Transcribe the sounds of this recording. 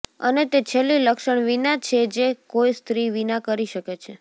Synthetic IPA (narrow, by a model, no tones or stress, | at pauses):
ənet̪et͡ʃʰelːiləkʃəɳʋinat͡ʃʰed͡ʒekoist̪ɾiʋinakəɾiʃəket͡ʃʰe